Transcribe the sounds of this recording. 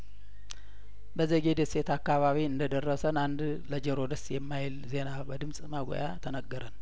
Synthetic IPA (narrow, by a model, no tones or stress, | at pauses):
bəzəɡed̪əse̞t̪akːaβaβiɨnd̪əd̪ərːəsənand̪ | ləd͡ʒəɾo̞d̪əsjɛmːajɪlze̞nabəd̪ɨmsʼmaɡo̰jat̪ʰənəɡːəɾʔən